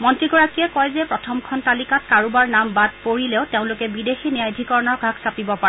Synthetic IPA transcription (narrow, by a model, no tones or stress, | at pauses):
mɔntɹiɡɔɹakijɛkɔjzɛpɹɔtʰɔmkʰɔntalikat̚kaɹubaɹnambad̚poɹileʊteʊ̃lʊkɛbidexiniajdʱikɔɹɔnɔɹɡʱaksapibɔpa